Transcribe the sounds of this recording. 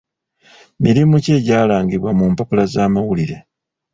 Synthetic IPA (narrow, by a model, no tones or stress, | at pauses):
miɾimuce̞ːɟaːlaːŋɡiβwamuːmpapulazaːmawuliɾe̞